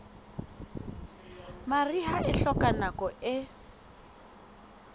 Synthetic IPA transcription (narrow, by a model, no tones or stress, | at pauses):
mariɦaʔɪɬɔkʼanakɔɪ